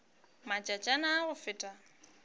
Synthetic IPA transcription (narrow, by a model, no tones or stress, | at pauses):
mat͡ʃʼat͡ʃʼanaːɣʊfɪtʼa